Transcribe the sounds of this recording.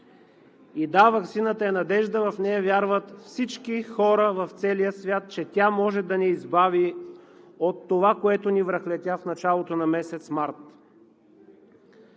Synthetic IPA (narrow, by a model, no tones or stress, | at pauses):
id̪avɐksinət̪əɛnɐd̪ɛʒd̪əvɐfnɛjəvjaɾvət̪fsit͡ʃkixɔɾəvɐft̪sɛlijəsvʲjat̪̚t͡ʃɛt̪ʲamɔʒɛd̪ɐnɛizbavi | ot̪ːovakoɛt̪onivɾəxlɛt̪ʲafnɐt͡ʃalˠot̪onɐmɛsɛt̪smaɾt̪